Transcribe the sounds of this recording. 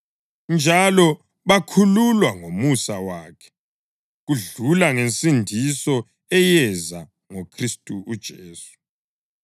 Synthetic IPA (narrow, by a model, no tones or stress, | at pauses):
nd͡ʒʱalɔ | βakʰululwaŋomusawaːkʰɛ̥ | ɣuɮulaŋent͡sʼindʱisɔ | ɛjɛza | ŋokʰristʼuːd̥ʒ̥ʱeːsu̥